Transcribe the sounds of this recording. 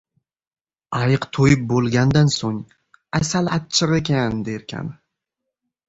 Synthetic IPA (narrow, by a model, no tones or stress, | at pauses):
ɑjɨqt̪ʰojɪp̚bolˠɡʲand̪ansoŋ | asalatt͡ʃʰːɪɾekʲʰand̪eɾkʲʰa̰n